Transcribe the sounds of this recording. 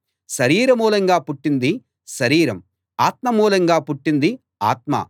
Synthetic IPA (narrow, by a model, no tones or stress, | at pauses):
ʃɐɾiːɾɐmuːlɐŋɡaːpuʈːind̪i | ʃɐɾiːɾɐm | aːt̪mɐmuːlɐŋɡaːpuʈːind̪i | a̰ːt̪̚mɐ̰